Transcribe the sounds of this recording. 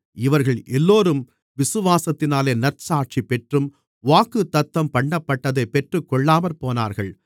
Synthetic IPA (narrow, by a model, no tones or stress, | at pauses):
ɪʋɐɾɣɐɭʔɛlːoːɾɯm | ʋɪsɯʋaːsɐt̪ːɪnaːleːnɐrsaːʈ̚t͡ʃipɛʈrɯm | ʋaːkɯt̪ːɐt̪ːɐmpɐɳːɐpːɐʈːɐðɐɪpːɛʈrɯkːɔɭːaːmɐɾpoːna̰ːɾɣɐɭ